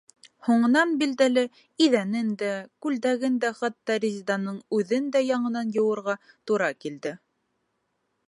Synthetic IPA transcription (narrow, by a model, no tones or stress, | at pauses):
huɴɤ̆nɑnbild̪ælɘ | iðænɘnd̪ækʉld̪æɡɘnd̪æχɑt̪ːɑɾʲɪzʲid̪ɑnɤɴʉðɘnd̪æjɑɴɤ̆nɑnjɤ̆wɤ̆ɾʁɑ | t̪uɾɑkild̪ɘ